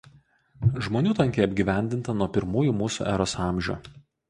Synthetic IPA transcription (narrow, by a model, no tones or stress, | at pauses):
ʒmoːnʲuːt̪ɐŋʲkʲeːɐbʲɡʲiːʋʲæˑnʲd̪ʲɪnt̪ɐnuɔpʲɪɾmuːjuːmuːsṵːʔæːɾosɑˑmʲʒʲo̰ː